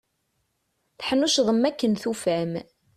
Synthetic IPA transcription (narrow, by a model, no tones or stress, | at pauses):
θħənːuʃðˤəmːækːənθufæm